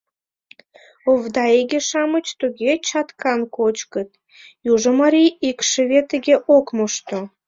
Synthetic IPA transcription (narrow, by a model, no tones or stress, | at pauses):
ovd̪ɑeɡʲeʃɑmət͡ɕt̪uɣʲet͡ɕɑt̪kɑnkot͡ɕkə̆t̪ | juʒə̆mɑɾiikʃə̆βet̪əɡʲeʔokmoʃt̪o